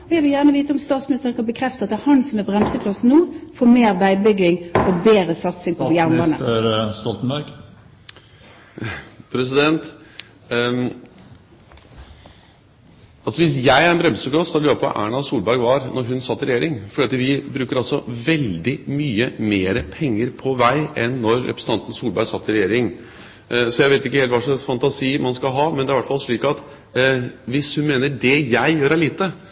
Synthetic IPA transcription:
ɔjæɪʋɪljæːʁnəʋiːt̪əɔmst̪ɑːt̪smɪnɪst̪əʁənkʰɑbəkʰɾɛft̪əɑt̪ɛhɑnsɔmæbʁɛmsəkʰlɑsnuːfoːmeːʁʋæɪbʏɡɪŋɔbeːɾəsɑt̪sɪŋpʰɔjæʁmɑnəɾst̪ɔlt̪n̩bæɾɡ | pʰɾɛs̬ɪd̪ɛnt̪ | ɑlsɔʋɪsjæɪæɾɛnbɾɛmsəklɑsljøːpʰɔ̰ʔæ̰ːɳɑsuːlbæɾɡʋɑɾnɔɾɦʉnsɑt̪ːɪɾɛjeːɾɪŋfɔɖiːɑt̪ʋɪbɾʉːkəɾɑlsɔʋɛld̪ɪmyːəmeːɾəpʰɛŋːəɾpʰɔʋæɪʔɛnːɔɾːɛpɾəsən̩ʰɑnt̪n̩suːlbæɾɡsɑt̪ːɪɾɛjeːɾɪŋ | sɔjæɪʋeɪɪkːəheːlt̪ʋɑʂɔɛsfɑnt̪ɑsiːmɑnskɑɦɑːmɛnæɾɪʋæʈfɑlʂɭiːkɑt̪ | ʋɪshʉnmeːnəd̪ɛjæɪjøːɾæɪliːt̪ə

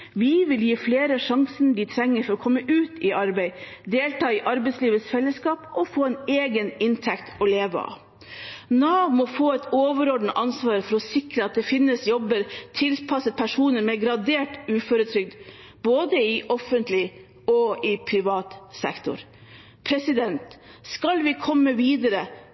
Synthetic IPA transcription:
ʋiʋɪljiːfleːɾəʂɑŋsənd̪ɪt̪ʰɾɛŋːəɾfɔɾɔkʰɔmːəʔʉːt̪ʰɪʔɑɾbæɪd̪eːlt̪ɑːɪʔɑɾbɛɪsliːʋəsfɛlːəskɑːpɔfoːɛneːɡənɪnt̪ʰɛkt̪ɔleːʋəɑ̰ | nɑːmɔfoːɛt̪oːʋəɾɔɖəɳ̩t̪ɑnsʋɑːɾfɔɾɔsɪkɾəɑt̪̚d̪ɛfɪnːəsjɔbəɾt̪ʰɪlpʰɑsət̪̚pʰæʂuːnəɾmɛɡɾɑd̪eːʈʉːføɾət̪ʰɾʏk̚d̪ | boːd̪əɪʔɔfənt̪lɪ | ɔɪpʰɾɪʋɑːt̪sɛ̰kt̪ʊ̰ɾ | pʰɾɛsɪd̪ɛnt̪skɑlʋɪkʰɔmːəʋiːd̪əɾə

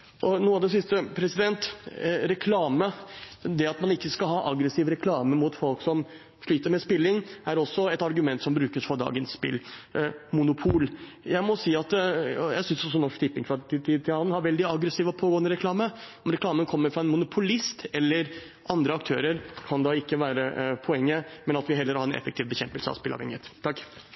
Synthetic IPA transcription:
ʔɔnuːɑʋd̪ɛsɪst̪əpʰɾɛsɪd̪ɛnt̪ɾɛkʰlɑːməd̪ɛɑt̪mɑnɪkːəskɑlɦɑːʔɑɡɾəsiːʋɾɛkʰlɑːməmʊt̪fɔlksɔm | ʂɭyːt̪əɾmɛspɪlːɪŋæɾɔsːɔɛt̪ɑɾɡʉmɛnt̪sɔmbɾʉːkəsfɔɾd̪ɑ̰ːɡənsːpɪ̰lː | mʊnʊpʰuːl | jæɪmɔsiːɑt̪jæɪsʏnsɔs̬ɔnɔʂt̪ɪpːɪŋkʰʋɑlɪt̪ɪt̪ʰːiːd̪̚t̪ʰːɪlhɑnːhɑɾʋɛld̪ɪɑɡɾəsiːʋɔpʰoːɡoːənd̪əɾɛklɑːməɔmɾɛklɑːmənkʰɔmːəɾfɾɑɛnmʊnʊpʰʊlɪst̪ɛlːəɾ | ʔɑnd̪ɾəɑkt̪ʰøːɾəɾkʰɑnd̪ɑɪkːəʋæːɾəpʰɔɛŋːəmɛnɑt̪ʋɪɦɛlːəɾhɑɾɛnʔɛ̰fəkt̪iːʋbəçɛmpəlsəɑ̰ʋspɪlɑ̰ʋɛ̰ŋːɪet̪t̪ʰːɑkː

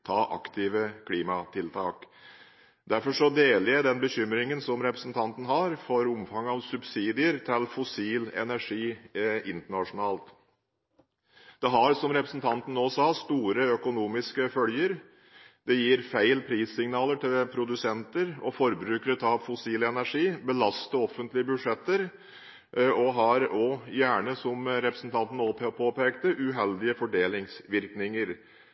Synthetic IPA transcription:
t̪ʰɑːʔɑ̰kt̪ʰɪʋəkʰliːmɑt̪ʰɪlt̪ʰɑːk | d̪æɾfɔʂɔd̪eːlɪəd̪ɛnbəçʏmɾɪŋənsɔmɾɛpɾəsn̩t̪ʰɑnt̪n̩hɑɾfɔɾʊmfɑŋːɑʋsʉbsiːd̪ɪəɾt̪ʰɪlfʊsiːlɛ̰næʂiːɪnt̪əɳɑʂʊnɑːlt̪ | d̪̥ɛɦɑɾsɔmɾɛpɾəsnt̪ʰɑnt̪ən̩oːsɑːst̪uːɾəœkʊnuːmɪskəfœljəɾ | d̪ɛjiːɾfæɪlpʰɾiːsɪŋnɑːləʈɪlpʰɾʊd̪ʉsɛnt̪əɾɔ̰fɔɾbɾʉːkəɾət̪ʰɑʋfʊsiːləɛnæʂiːbəlɑst̪əɔfːənt̪lɪəbʉd̪ʂɛt̪ːəɾ | ɔɦɑɾɔjæːɳəsɔmɾɛpɾəsn̩t̪ʰɑnt̪n̩opʰoːpeːkt̪əʔʉɦɛld̪ɪəfɔɖeːlɪŋsʋɪɾknɪŋəɾ

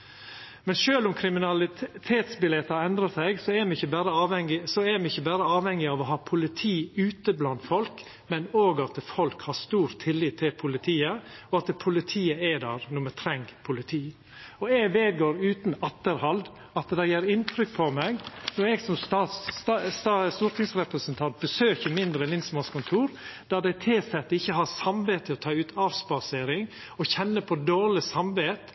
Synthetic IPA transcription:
mɛnʃøːlʊmkʰɾɪmɪnɑlɪt̪ʰeːt̪sbɪlɛt̪ːɑɛnd̪ɾəsɛɪɡsɔɛɾmɛɪçːəbæːɾəɑːʋɛŋɪsɔɛmɛɪçːəbæːɾəɑːʋhɛŋːɪɑʋɔɦɑːpʰʊlɪt̪ʰiːʉːt̪əblɑnt̪fɔlk | mɛnoːɡɑt̪fɔlkhɑʂt̪uːɾt̪ʰɪlːiːt̪ʰːɪlpʰʊlɪt̪ʰiːəɔɑt̪pʰʊlɪt̪ʰiːəɛd̪ɑ̰ɾnʊmət̪ʰɾɛŋɡpʰʊlɪt̪ʰiː | ɔɛɡʋeːd̪̚ɡoːɾʉːt̪nɑt̪ːəɾhɑld̪ | ɑt̪d̪ɛɪjeːɾɪnt̪ʰɾʏk̚ːpʰɔmɛɡnɔɾɛɡsɔmst̪ɑssɑst̪uːɾt̪ʰɪŋsɾɛpɾəsənt̪ʰɑnt̪̚b̥əsøːçəmɪnd̪ɾəlɪnsmɑskʊnt̪ʰuːɾd̪̥æd̪ɛɪt̪ʰɪlsɛt̪ːəɪçːəɦɑɾsɑmʋeːt̪ʰːəɔt̪ʰɑːʉːt̪ʰɑːʋspɑseːɾɪŋ | ɔçɛnːəpʰɔd̪oːɭɪsɑmʋeːt̪

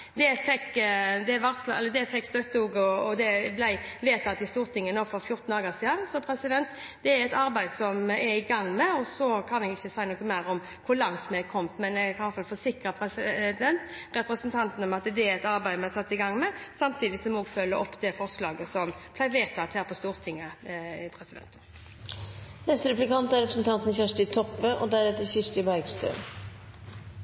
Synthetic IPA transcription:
d̪ɛfɛkːd̪ɛʋɑʁslɛləd̪ɛfɛkːst̪œt̪ːəuːɡəɔɔd̪ɛblæɪʋeːt̪ʰɑːt̪ːɪst̪uːʁt̪ʰɪŋːənoːfɔɾfjʊɾt̪n̩ɑːɡəsiːd̪ɑnsɔpʰɾɛsɪd̪ɛnt̪ | d̪̥ɛæɾɛt̪ɑɾbæɪd̪sɔmɛɪɡɑŋːmɛɔsɔkʰɑnɛɡɪçːəsæɪənɔːkːəmæɪɾɔm | kʰʊlɑŋt̪mɛkʰɔmmɛnɛkʰɑfɑlfɔsɪkɾəpʰɾɛsɪd̪ɛnt̪ɾɛpɾəsənt̪ʰɑnt̪n̩ɔmɑt̪d̪ɛɛt̪ɑɾbæɪmɛɛsɑt̪ːɪɡɑŋːmɛsɑmt̪ʰiːd̪ɪsɔmɔɔːɡfœlːəʔɔpːd̪ɛfɔʁslɑːɡəsɔmpʰlæɪʋeːt̪ʰɑːt̪ʰhæːɾpʰɔst̪uːɾt̪ʰɪŋːəpʰɾɛsɪd̪ɛ̰nt̪ən | nɛst̪əɾɛplɪkɑnt̪æɾɛpɾəsn̩t̪ʰɑnt̪n̩çæʂʈɪt̪ʰɔpːəʔɔd̪æɾɛt̪ːəçɪʂʈɪbæɪɡst̪ø̰ː

